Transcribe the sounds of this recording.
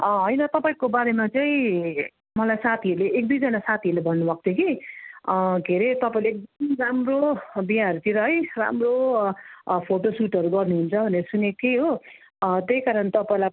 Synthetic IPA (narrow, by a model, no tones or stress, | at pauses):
ʌɦʌjnʌt̪ʌpaĩkobaɾemat͡saĩ | mʌlajsat̪ʰiʌɾuleʔek̚d̪ujd͡zʌnasat̪ʰiʌɾlebʱʌnːubʌk̚t̪eki | ɡʱeɾet̪ʌpaĩleek̚d̪ʌmramrobiɦaʌɾut̪ʰiɾʌɦʌjra̰mro | pʰoʈosuʈʌɾuɡʌrnuɦunt͡sʰʌbʱʌneɾʌsunekeɦo | t̪ejkaɾʌnt̪ʌpaĩla